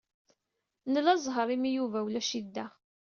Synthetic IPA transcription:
nəlɑzˤɦəɾˤimijuvæwlæʃid̪ːæ

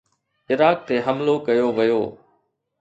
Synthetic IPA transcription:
ɪɾaːk̚t̪eɦɐmlokɐjoʋɐjoː

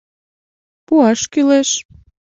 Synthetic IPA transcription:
puɑʃkyleʃ

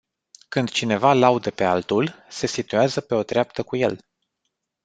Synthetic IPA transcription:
kɨnd̪̥t͡ʃine̞valaud̪əpe̞alt̪ulse̞sit̪ujazəpe̞o̞d̪ɾeap̚t̪əkuje̞̰l

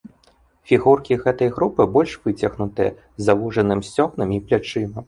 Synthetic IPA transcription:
fʲiɣurkʲiɣɛt̪ɐjɣɾupɨbɔlʲʂv̥ɨt͡sʲɐɣnut̪ɨjɛ̰ | zavuʐɐnɨmsʲt͡sʲɔxnɨmiplʲat͡ʂɨnɐm

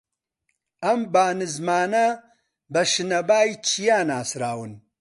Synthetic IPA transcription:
ɐmbaːnizmaːna | bɐʂinɐbaːjit͡ɕʰijaːnaːsɾaːwun

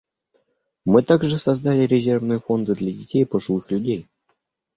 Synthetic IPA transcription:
mɨt̪aɡʐɨsɐzd̪alʲɪɾʲɪzʲe̞rvnɨjəfo̞nd̪ɨd̪lʲɐdʲɪtʲejpəʐɨlˠɨxlʲʉdʲej

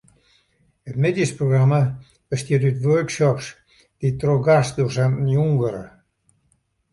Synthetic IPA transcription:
ət̪med̪jəspɾoɡɾamə | b̥əst̪jityt̪ʋøɹksɔps | d̪̥it̪ɾoɡasd̪usannjuŋɡəɾə̰

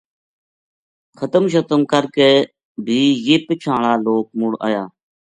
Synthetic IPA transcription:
kʰət̪əmʃ̬ət̪əmkəɾkeː | bʱiːjeːpət͡ʃʰãːɳaːloːk̚mʊɽa̰ːjaː

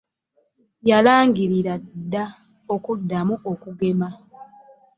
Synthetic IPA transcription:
jalaːŋɡiɾiɾadːa | o̞kudːamuʔokuɡe̞ma

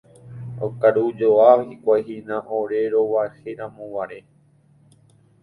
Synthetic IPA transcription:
okaɾud͡ʒoaikʷajɦinãʔoɾe̞ɾoʋaeheɾãmõʋaɾe

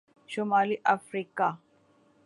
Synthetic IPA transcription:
ʃumaːliʔafɾiːka

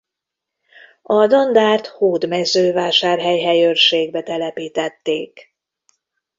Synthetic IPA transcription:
ɒd̪o̞nd̪aːrt̪hoːd̪mɛzøːvaːʃaːrɦɛjɦɛjørʃeːɡbɛt̪ɛlɛpiːt̪ɛt̪ːeːk

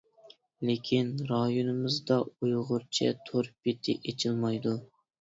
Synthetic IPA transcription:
lekʲʰinɾɑjonɨmɪzd̪ɑujʁʊɾt͡ʃʰɛ̰t̪ʰoɾbit̪ʰɪ̰ʔet͡ʃʰilˠmɑjd̪u

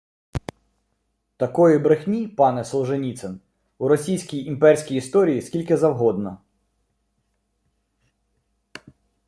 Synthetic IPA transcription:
t̪ɐkɔjɪbɾexʲmʲipɑnɛsɔw̪ˠʒenʲit̪sɛn | uɾɔsʲijsʲkʲijimpɛrʲsʲkʲijist̪ɔɾʲijiskʲilʲkɪzɐwɦɔd̪nɐ

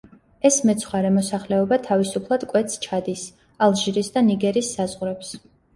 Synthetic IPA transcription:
ɛsmɛt̪sʰχwaɾɛmɔsaχlɛɔbat̪ʰavisupʰlˠad̪̥kʼwɛt̪st͡ʃʰad̪is | alˠʒiɾisd̪aniɡɛɾisːazʁɾɛps

